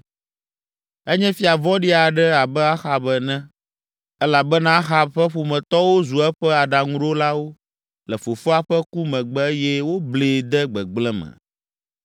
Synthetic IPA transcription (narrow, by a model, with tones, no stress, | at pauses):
ɛ˦ɲɛ̃˦fi˦a˨vɔ˦ɖi˦a˨ɖɛ˦a˨bɛ˦a˦xa˨bɛ˨nɛ̃˦ | ɛ˦la˨bɛ˦nã˦xa˨ɸɛ˦ɸo˨mɛ̃˨t̪ɔ˦wo˦zu˨ɛ˦ɸɛ˦a˨ɖa˨ŋũ˦ɖo˦la˦wo˦ | lɛ˨fo˨fo˦a˦˨ɸɛ˦ku˦mɛ̃˨ɡ͡bɛ˦jɛ˦wo˦ble˨d̪ɛ˦ɡ͡bɛ˨ɡ͡blɛ̃˦mɛ̰̃˨